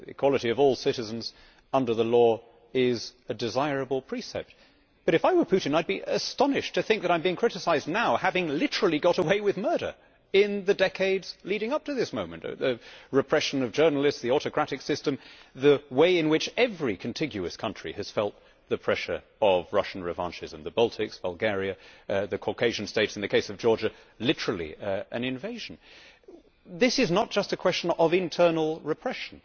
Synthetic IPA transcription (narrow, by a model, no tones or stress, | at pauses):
ɨ̰kʰw̥ɑlˠəɾiʌvɔlˠsɪɾɨz̃n̩z | ʌ̃ndə˞ðəlɔ | ɪzɨdɨzaɪɹɨbl̩ˠpʰɹ̥isɛ̰p̚t̚ | b̥ʌɾɨfaɪwə˞pʰʉɾɨ̃n̩aɪd̚biɨstɑnɨʃtʰɨθɪ̃ŋk̚ðɨɾãɪ̃mbĩŋkʰɹ̥ɪɾɨsaɪznaʊhævɪ̃ŋlɪɾə˞l̩ˠiɡɑɾəweɪwɨðmɜ˞ɾə̰˞ | ɪ̃nðɨdɛkʰeɪdz̥liɾɪ̃ŋʌp̚tɨðɪsmõʊ̃mɨ̰̃nʔðɨɹɨpʰɹ̥ɛʃɨ̃nʌvd͡ʒɜ˞nl̩ˠɨstsðiɔɾɨkʰɹ̥æɾɨksɪstɨ̃mðɨweɪɨ̃nwɨt͡ʃɛvɹikʰn̩tʰɪ̃ɡjʉɨskʰʌ̃nt͡ʃɹ̥ḭɨz̥fɛlˠt̪̚ | ðɨpʰɹ̥ɛʃə̰˞ | ʌvɹʌʃn̩ɹɨvɑ̰̃nt͡ʃɨzɨ̃n̩ðəbʌlˠtʰɨksb̥əlˠɡɛɹiɨðɨkʰɔɹkʰeɪʒ̃n̩steɪtsn̩ðɨkʰeɪsʌvd͡ʒɔɹd͡ʒɨ | lɪɾə˞l̩ˠḭɨ̰̃nɨ̃ɱveɪʒ̥̃n̩ | ðɪsɨznət̚d̥ʒ̥ʌstɨkʰw̥ɛst͡ʃɨ̃n̩ʌvɨ̃ntʰɜ˞nl̩ˠɹɨpʰɹ̥ɛʃn̩